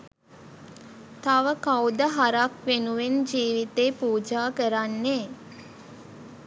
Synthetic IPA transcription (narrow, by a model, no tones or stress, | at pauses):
t̪aʋəkawd̪əɦaɾakʋenuʋend͡ʒiːʋit̪eːpuːd͡ʒaːkəɾanːeː